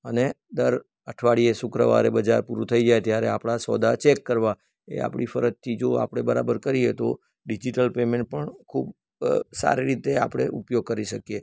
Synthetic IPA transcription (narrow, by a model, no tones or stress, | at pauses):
əne | d̪əɾ | əʈʰʋaɽiesʊkɾəʋa̰ɾebəd͡ʒaɾpuɾut̪ʰəid͡ʒajt̪jaɾeapɽ̃asɔd̪at͡ʃekːəɾʋa | ḛa̰pɽifəɾəd͡ʒt̪ʰid͡ʒoa̰pɽ̃ebəɾabəɾkəɾiet̪o | ɖid͡ʒiʈəlpemẽɳʈ̚pəɳkʰub | sa̰ɾiɾit̪ea̰pɽ̃ḛʔupjoɡ̚kəɾiʃəkije